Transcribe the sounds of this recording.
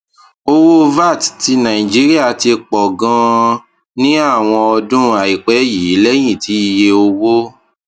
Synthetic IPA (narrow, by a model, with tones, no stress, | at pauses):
o˧wo˦˧va˦˨tti˧nã˨ĩ˨d͡ʒi˨˦ɾi˦a˦˨ti˧k͡pɔ˨ɡã˧ | nĩ˦a˦˨w̃ɔ̃˧ɔ˧dũ˦a˨i˨k͡pɛ˨˦ji˨˦i˨˦lɛ˦j̃ĩ˦˨ti˨˦i˧je˧o˧wo˦